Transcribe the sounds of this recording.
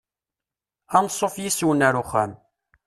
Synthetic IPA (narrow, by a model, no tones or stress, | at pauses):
ænsˤːofjiswənæɾuχæ̰m